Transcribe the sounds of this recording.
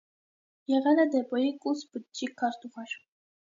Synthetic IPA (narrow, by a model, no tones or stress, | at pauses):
jɛʁɛlɛd̪ɛpɔjikʼusbət͡ʃikʰːɑɾt̪uʁɑɾ